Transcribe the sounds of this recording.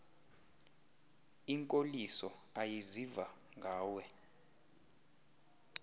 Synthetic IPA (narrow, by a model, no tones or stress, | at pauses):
iŋkʼolisɔajiziva | ŋɡʱaːwɛ